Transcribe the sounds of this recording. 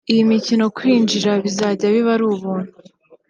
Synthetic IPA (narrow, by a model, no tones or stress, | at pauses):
ijimicino̞kwiːnd͡ʒiɾaβizaːɟaβiβaɾuːβuːn̥hu